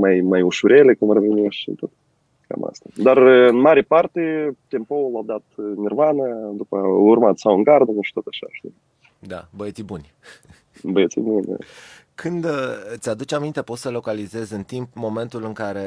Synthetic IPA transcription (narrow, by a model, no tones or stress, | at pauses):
majmajuʃuɾʲelekumrvinewʃḭt̪ot̪ | ka̰ma̰st̪ad̪arɨnmaɾepart̪et̪empoulawd̪at̪nirvanəd̪upəurmat̪sawɨŋɡard̪ənuʃi̥t̪ot̪aʃa̰ʃt̪i | d̪a̰bəet̪sibunʲ | bəjet̪sḭbunʲd̪a̰ | kʰɨnd̪t̪sʲad̪ut͡ʃamint̪epo̞t̪səlo̞kalize̞zɨnt̪impmo̞me̞nt̪ulɨŋkaɾe̞